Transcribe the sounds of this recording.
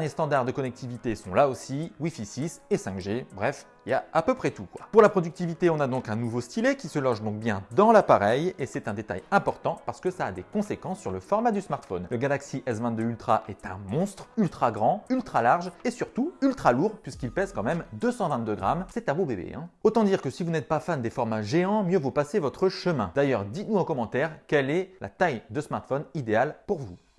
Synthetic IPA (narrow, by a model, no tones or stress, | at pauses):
d̪ɛʁnjest̪ɑ̃d̪aʁd̪əkɔnɛk̚t̪ʰivit̪esɔ̃laosiwifisisesɛ̃kʒebʁɛf | iljaapøpχɛt̪ukwa̰puʁlapχɔd̪yk̚t̪ivit̪eɔ̃nad̪ɔ̃kɛ̃nuvost̪ilekʲisəlɔ̃ʒd̪ɔ̃k̚bjɛ̃d̪ɑ̃lapaʁɛjesɛt̪ɛ̃d̪et̪a̰jɛ̃pɔʁt̪ɑ̃paʁsə̥kəsaːd̪ekɔ̃sekɑ̃sːyʁləfɔʁmad̪ysmaʁt̪fɔnləɡalaksiʔɛzvɛ̃d̪əylt̪χaʔɛt̪ɛ̃mɔ̃st̪χylt̪χaɡʁɑ̃ylt̪χalaʁʒesyʁt̪uylt̪χaluʁpɥiskilpɛzkɑ̃mɛmd̪øsɑ̃vɛ̃t̪d̪øɡʁa̰msɛt̪ɛ̃bobebḛɛ̰̃ot̪ɑ̃d̪iʁkəsivunɛt̪̚pafand̪efɔʁmaʒeɑ̃mjøvupasevɔt̪χəʃəmɛ̰̃d̪ajœʁd̪it̪nuokɔmɑ̃t̪ɛʁkɛlɛla̰t̪ajd̪əsmaʁt̪fɔnid̪ealpuʁvu